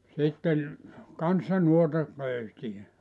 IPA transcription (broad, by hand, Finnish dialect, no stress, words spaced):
sitːen kɑnsːɑ nuotɑ køysij̆æ